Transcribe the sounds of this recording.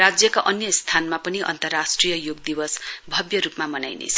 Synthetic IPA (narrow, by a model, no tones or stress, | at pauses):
ad͡zjʌkaʔʌnjʌst̪ʰanmapʌniʔʌ̰nt̪ʌrːasʈrijʌjoɡ̚d̪ibʌsbʱʌbjʌɾupmamʌna̰jnḛt͡sʰʌ